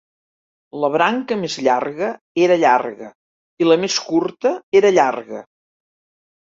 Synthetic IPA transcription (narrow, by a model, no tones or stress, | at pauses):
ləβ̞ɾaŋkəmezʎarɣə | eɾəʎarɣə | iləmeskuɾt̪əeɾəʎarɣə̰